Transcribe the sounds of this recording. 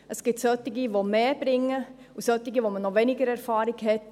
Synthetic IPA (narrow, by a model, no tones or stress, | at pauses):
ʔəsɡ̥ɪp̚tsœtɪɡiʋomeːb̥ɾɪŋːə | usœt̪ɪɡiʋomənɔʋɛnɪɡəɾɛɾfɑːɾɪɡhɛt